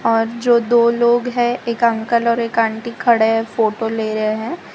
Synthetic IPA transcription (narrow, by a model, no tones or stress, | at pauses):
ɔːɾd͡ʒoːd̪oːloːɡɦɛ̃eːkɐ̃ŋkəlɔːɾeːkãːɳʈikʰɐɽefoːʈoleːɾəɦeɦɛ̃ː